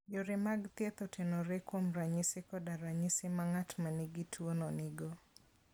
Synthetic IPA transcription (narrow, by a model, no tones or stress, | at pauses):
joɾɪmaɡt̪jet̪ɔtʰenɔɾekwomɾaɲɪsɪkɔdaɾaɲɪsɪmaŋatmaniɡɪtʰwonɔnɪɡɔ